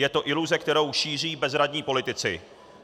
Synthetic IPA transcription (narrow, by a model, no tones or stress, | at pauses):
jɛt̪o̞ʔɪluzɛkt̪ɛɾo̞wʃiːr̝iːbɛzɾadɲiːpo̞lɪt̪ɪt͡sɪ̰